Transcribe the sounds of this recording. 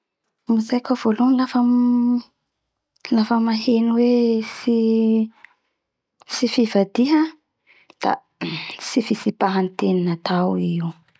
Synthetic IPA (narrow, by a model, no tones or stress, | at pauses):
mizajkov̥olunlafəm | lafəmaɦeniwesi | sifivad̪iɦə | d̪̥a̰ | sifisipaɦant̪eninat̪ʰawiwu